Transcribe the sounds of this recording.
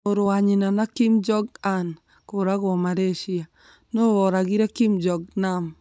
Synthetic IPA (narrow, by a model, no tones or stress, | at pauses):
oɾwaɲinanakimd͡ʒɔɡan | koɾakɔmaɾeʃia | noβɔɾaɡiɾakimd͡ʒɔɡ̚nam